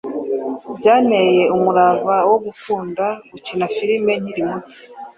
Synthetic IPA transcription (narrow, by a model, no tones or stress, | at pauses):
bɟaːneje̞umuɾaβawo̞ɡufuːndaɡucinafiɾime̞ɲ̥hiɾimuti̥